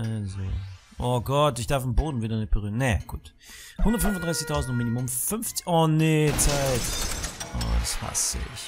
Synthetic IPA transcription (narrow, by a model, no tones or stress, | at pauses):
ʔazo̰ː | ʔoːɡɔtɪçd̥aɐfɪmboːdn̩viːdɐnɪç̚b̥əʁyːʁɐnɛɡ̥ṵːt | hʊndɐtfʏnfʊndʁaɪsɪçtʰaʊzn̩tʊmiːnimʊmfʏnfɔːneːt͡saɪtʔɔ̰ːda̰sha̰sɪ̰ç